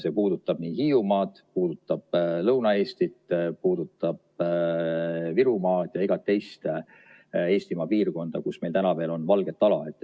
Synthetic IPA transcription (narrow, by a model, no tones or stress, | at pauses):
se̞ːpuːd̪̥ut̪ːˑɑb̥niːhiːumɑːd̪̥puːd̪̥ut̪ːˑɑb̥lɤwnɑe̞ːst̪it̪puːd̪ut̪ːˑɑb̥ | viɾumɑːd̪̥jɑiɡ̥ɑt̪ːe̞jst̪ | e̞ːst̪imɑːpiːrko̞nd̪̥ɑkusme̞jlt̪ænɑve̞ːlo̞nvɑlɡ̥e̞t̪ːˑɑlɑ̰e̞t̪ːˑ